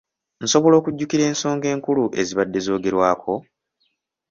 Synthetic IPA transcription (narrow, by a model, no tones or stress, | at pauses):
n̩so̞βo̞lo̞ːkuɟːukiɾe̞ːnso̞ːŋɡe̞ːŋkuluʔe̞ziβadːe̞zo̞ːɡe̞ɾwaːkʰo̞